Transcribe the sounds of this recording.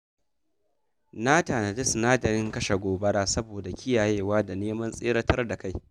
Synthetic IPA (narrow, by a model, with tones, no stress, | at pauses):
na˦ta˨nɐ˨dɪ˦snaː˦dɐ˨ɾɪ˦ŋkɐ˦ʃa˨ɡʷoː˨bɐ˦ɽaː˦sɐ˦boː˨da˨kʲɪ˦jaː˨jeː˦waː˦da˨neː˦mɐ˦nsʼeː˦ɾɐ˦tʰɐ˦rda˨ka˦˨j